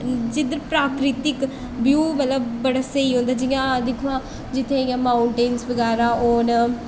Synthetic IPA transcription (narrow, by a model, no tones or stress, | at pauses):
d͡ʒɪd̪əɾpɾaːkɾɪt̪ɪk | bjuːmət̪ləbːəɽaːsəiːɦõːnd̪aːd͡ʒɪjãːd̪ɪkʰʋãː | d͡ʒɪt̪ʰːeːjãːmãːʊɳʈeːnsbəɡaːɾaːɔːɾ